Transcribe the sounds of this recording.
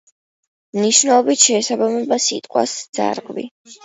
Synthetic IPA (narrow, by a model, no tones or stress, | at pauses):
mniʃnɛlˠɔbit̪ʃɛːsabamɛbasit̪ʼqʼwa̰sd̪z̥a̰ɾɡʼvḭ